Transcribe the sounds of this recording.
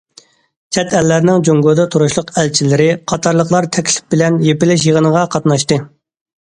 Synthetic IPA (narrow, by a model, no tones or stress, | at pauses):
t͡ʃʰɛt̪ʰɛlːæɾnɪŋd͡ʒoŋɡod̪ɛt̪ʰuɾuʃlˠʊqɛlt͡ʃʰilɪɾɪqʰɑt̪ʰɑɾlˠəqlˠɑɾt̪ʰɛkʲʰlɪ̥p̚bɪlɛnjepɪlɪʃjəʁənəʁɑqʰɑt̪nɑʃt̪ɨ